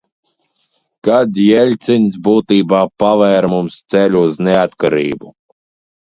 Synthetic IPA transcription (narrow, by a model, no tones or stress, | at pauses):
kad̪jɛlʲt̪sinʲsbuːt̪iːbaːpavɛːɾmumst̪sɛlʲuuzneat̪kaɾiːbu